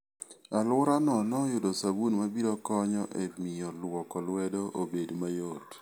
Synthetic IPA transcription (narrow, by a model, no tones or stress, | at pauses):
alwʊɾanɔnɔjʊdosabunmabiɾokɔɲɔʔemɪjɔlwɔkɔlwɛdoʔobedmajot